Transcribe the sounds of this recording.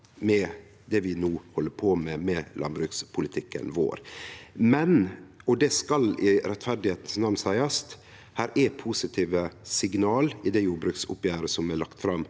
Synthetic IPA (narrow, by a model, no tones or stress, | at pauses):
mɛ | d̪ɛʋɪnuːhɔlːəpʰoːmɛmɛlʔɑ̰nbɾʉːkspʰʊlɪt̪ʰɪkːə̰nʋo̰ːɾmɛnɔd̪ɛskɑlɪɾɛt̪ːfæɾd̪ɪheːt̪n̩snɑʋnsæɪɑst̪ | hæːɾʔæpʰuːsɪt̪ʰiːʋəsɪɡnɑːlɪd̪ɛjuːɾbɾʉːksʊ̰pjæːɾəsɔmælɑkt̪fɾɑm